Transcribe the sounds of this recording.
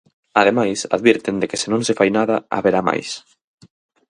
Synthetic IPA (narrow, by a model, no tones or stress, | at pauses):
aðemajsa̰ðβiɾt̪end̪ekɪsɪnõŋsɪfajnaðɐa̰βeɾama̰js